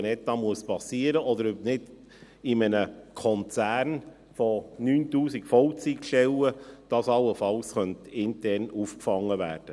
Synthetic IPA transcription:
nɛt̚ɑmuəspɑsiːəɾəʔɔdəɾøp̚nɪd | ɪmənəkʰɔnt͡sæːɾn | fonyːntuːsikfɔʊt͡sikʃtɛwəd̥ɑːsɑlːəfɑlsχœntɪntɛɾrnuːfkfɑŋːəvæ̰ːɾd̥ə

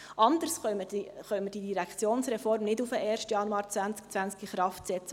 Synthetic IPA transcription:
ʔɑnd̪əɾsχœəχœməd̥idiɾækʰt͡sjoːnsɾɛfɔɾmnɪdufəʔɛːɾʃtjɑnuɑːɾt͡sʋænt͡skt͡sʋænt͡skiχɾɑftsɛt͡sə

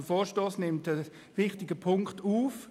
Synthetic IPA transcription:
əfoːʃtoːsnɪmtə | ʋɪχtɪɡəpʰʊŋktuːf

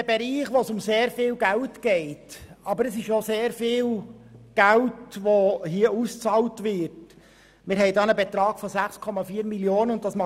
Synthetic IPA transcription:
əbɛɾiːχʋosʊmseːɾfɪːlɡæltɡ̥ɛɪtɑbəɾəsɪʃoseːɾfɪːlɡ̥æltʋohiːəust͡sɑːltʋɪɾt | mɪːɾhɛɪdɑːnəbɛt̪ɾɑːɡ̥fɔsæχskʰɔmɑfiːəɾmiljoːnəʊnt̚dɑsmɑ

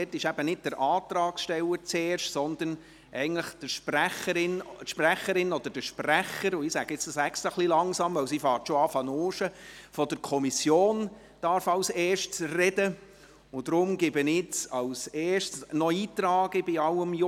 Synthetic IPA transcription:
ɛtːɪʃæbənɪd̥̚d̥əɾʔɑːt̪ɾɑːksʃtɛləɾt͡sɛːɾʃtsɔnd̪ən | ʔɛɪɡən̩tləχd̥əʃpræχəɾɪntʃpræχəɾɪnɔd̥̪əɾd̥əʃpræχəɾʊɪsæɡ̥əɪt͡sd̥ɑsækstəχlilɑŋsɑmʋœwsifɑːɾtʃɔɑfɑnoːʃəfɔd̥əɾkʰɔmisjoːn | d̥ɑɾfɑwseːʃtsrɛdə | ʊd̥ɾʊmɡɪbənɪt͡sɑwseːʃtsnɔiːtɾɑːɡ̥əbiɑləmj

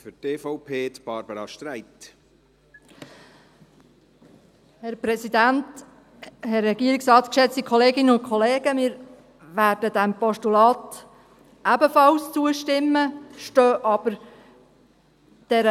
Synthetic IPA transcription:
fʏteːfɔʊpʰeːt̪b̥ɑɾbəɾɑʃtɾæɪt̪ | hɛɾprɛsidænt | hɛrːɛɡiəɾɪksɑːtkʃɛt͡stikʰɔleːɡɪnəʊnkʰɔleːɡ̥əmɪːɾ | ʋæːɾdədæmpɔʃtulɑːt | ʔæbəfɑlst͡suəʃtɪmːəʃtøːʔɑb̥əɾ | d̥ɛɾə

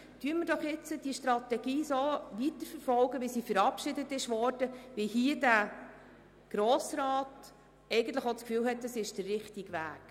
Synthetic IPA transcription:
tyːməɾd̥ɔχɪt͡səd̥iəʃtɾɑtɛɡiːsoːʋitəɾfəɾfɔlɡəʋisifəɾɑpʃɪdətɪʃʋɔɾd̥əʋɪhiːədæ | ɡ̥ɾɔːsrɑːt | ɛɪɡən̩t̪ləχot͡skfyːlɦɛt̚dɑsɪʃd̥ərrɪχtiɡʋæ̰ːk

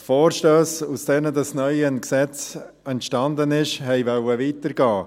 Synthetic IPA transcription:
foːɾʃtøːsusd̥ɛːnədɑsnœʏənksɛt͡s | ɛntʃtɑndənɪʃhɛɪvœwəviːtəɾɡɑː

